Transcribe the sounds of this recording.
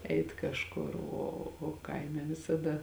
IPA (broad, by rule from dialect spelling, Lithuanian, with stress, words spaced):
ˈɛɪt kɐʃˈkʊr ˈoː oː ˈkɐɪmʲɛ ʋʲɪsɐˈdɐ